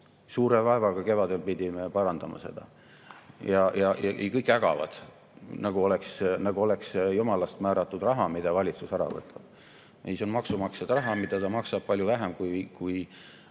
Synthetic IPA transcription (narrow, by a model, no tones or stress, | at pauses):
suːɾevɑevɑɡ̥ɑke̞vɑd̪e̞lpid̪ʲime̞pɑɾɑnd̪ɑmɑ̰se̞̰d̪̥ɑ̰ | jɑjɑjɑʔḛjkɤjkːˑæɡ̥ɑ̰vɑ̰d̪̥ | nɑɡ̥uo̞leksnɑɡ̥uo̞le̞ksjumɑlɑst̪mæːɾɑt̪ːˑud̪rɑɦɑmid̪ɑvɑlʲit̪susæɾɑ̰vɤ̰t̪ːˑɑb̥ | ʔejsonmɑksumɑksed̪rɑɦɑmid̪̥ɑt̪ɑmɑksɑb̥̚pɑlʲjuvæɦemkujkuj